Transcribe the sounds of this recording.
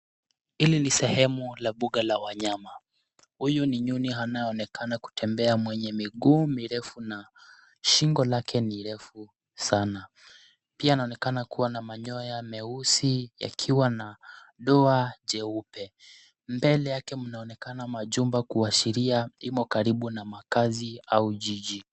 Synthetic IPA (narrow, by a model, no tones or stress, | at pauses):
ilinisɛhɛmulaɓuɠalawaɲama | hujuniɲuniɦanaɔnɛkanaku̥tʰɛmbɛamwɛɲɛmiɡuːmiɾɛfuna | ʃiŋɡɔlakʰɛniɾɛfu | sana | piaːnaɔnɛkanakuwanamaɲɔjamɛusija̰kʰiwana | ɗɔaʄɛupɛ | mbɛlɛjakɛmunaɔnɛkanamaʄumbakuaʃiɾiaimɔkaɾiɓunamakaziauʄiʄi